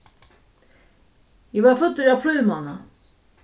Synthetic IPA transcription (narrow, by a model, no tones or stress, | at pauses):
jɛvaɾfɵt̪ːʏɾapʰlœɥvmawna